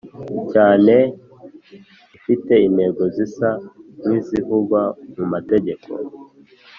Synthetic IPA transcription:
caːne̞ | ifite̞inhe̞ːɡo̞zisamwiːziɦuɡwamumate̞ɟe̞kʰo̞̰

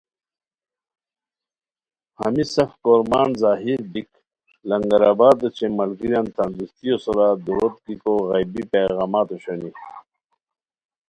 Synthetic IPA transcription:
hɐ̰misɐfkoːɾmaːnzaːɦiɾbik | lɐŋɡɐɾaːbaːɾət͡ɕʰemɐlɡiɾjant̪ɐnd̪ust̪ijosoɾad̪uɾot̪̚kikoɣɐjbipeːɣaːmaːt̪oɕoni

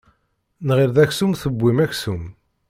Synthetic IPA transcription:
nʁɪɾðæçsumθəbʷːimæçsum

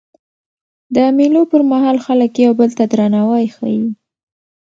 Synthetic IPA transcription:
d̪əmilopəɾmaɦɑlxaləkjawbəlt̪ad̪ɾanawɑjxa̰ji

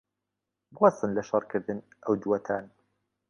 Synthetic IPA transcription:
bwɑsˤɨnlaʃɑɾˤkɪðɪn | ʔawd̪uwat̪ʰaːn

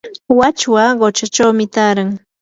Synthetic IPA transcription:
wat͡ʃwaɢot͡ʃat͡ʃawmɪt̪aːɾaŋ

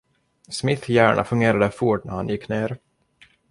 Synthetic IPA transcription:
smɪθjæːɳʔa̰fɵŋɡeːɾad̪əfuʈnæ̰ɾhanjɪkːneːɾ

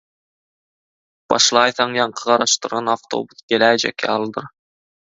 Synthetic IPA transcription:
b̥ɑ̰ʃlˠɑjθɑŋjɑɴqʰɤʁɑɾɑʃt̪ɤ̆ɾʁɑnɑft̪o̰buθɡelæd͡ʒæ̰kɑlˠd̪ɤɾ

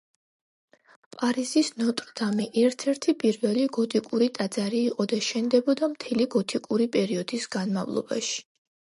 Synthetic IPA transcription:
pʼaɾizisnɔt̪ʼɾd̪amiʔɛɾt̪ʰɛɾt̪ʰipʼiɾvɛliɡɔt̪ʼikʼuɾit̪ʼad̪zaɾiːqʼɔd̪aʃɛnd̪ɛbɔd̪amt̪ʰɛliɡɔt̪ʰikʼuɾipʼɛɾiɔd̪̥isɡ̥anmavlˠɔ̰ba̰ʃi̥

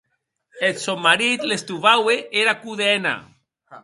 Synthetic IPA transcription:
elsomːaɾit̪lest̪uβaweʔeɾakuðena̰

